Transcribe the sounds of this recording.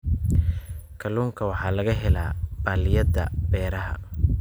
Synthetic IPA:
kʰɐluːŋkʰɐwɑħɑːlɐɣɐɦɛla̰ːb̥aːlɪjɐd̪ɐ̰bɛːɾɐɦɐ̰

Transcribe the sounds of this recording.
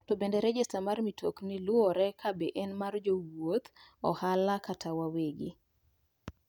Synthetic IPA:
tɔbendɛɾɛd͡ʒɛstamarmitʰoknilʊɔɾɛkʰabeʔɛnmard͡ʒowot̪ɔ̰halakatʰawaweɡi

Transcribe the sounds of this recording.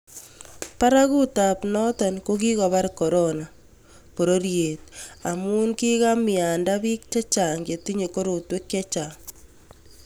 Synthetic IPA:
paɾakutapnɔtankok̬ikɔβaɾkɔɾona | poɾoɾjeːt̚amunkikamɪandabik̚t͡ʃat͡ʃaŋɡetiɲekoɾotwekjet͡ʃaŋ

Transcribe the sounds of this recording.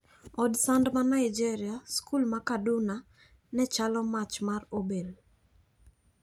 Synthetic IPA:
ɔdsandmanaɪd͡ʒiɾɪjaskulmakadʊna | nɛt͡ʃalɔmat͡ʃmarobel

